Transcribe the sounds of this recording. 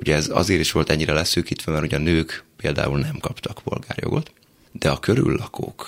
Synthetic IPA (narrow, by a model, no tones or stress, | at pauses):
uɟɛɛzɒ̰zeːɾiʃʋo̞lt̪ɛɲːiɾɛlɛsøːkit̪ʋɛmɛɾrho̞ɟɒnøːkpeːld̪a̰ːulnɛmkɒpt̪ɒkpo̞lɡaːrjo̞̰ɡo̞t̪ | d̪̥ɛɒkøɾy̰lːɒko̰ːk